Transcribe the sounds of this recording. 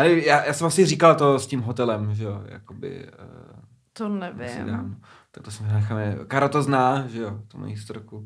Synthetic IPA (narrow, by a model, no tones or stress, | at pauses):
ɛlɛjaːjʔaːsɛmasɪriːkalt̪o̞scimɦot̪ɛlɛmʒɛjo̰ja̰kobɪ̰ə | t̪onɛvɪ̰sɪ̰da̰ːmno | t̪ak̚t̪osɛmnɛxamɛkaːɾat̪oznaːʒɛjot̪oma̰jist̪ɾoku